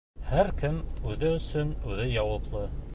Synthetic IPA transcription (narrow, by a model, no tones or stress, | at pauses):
hæɾkɘmʉðɘɵ̆sɵnʉðɘjɑwɤplˠɤ